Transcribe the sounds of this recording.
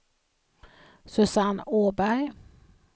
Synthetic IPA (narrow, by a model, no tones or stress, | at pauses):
sɵsanoːbæɾj